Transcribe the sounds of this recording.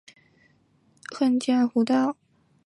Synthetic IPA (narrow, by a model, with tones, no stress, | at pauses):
xə˥˧nt͡ɕja˥˩nxu˧˥t̪ɑ˥˩ʊ